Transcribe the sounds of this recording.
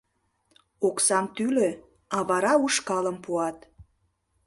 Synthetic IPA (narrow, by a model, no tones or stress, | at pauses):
oksɑmt̪ylø | ɑβɑɾɑuʃkɑləmpuɑt̪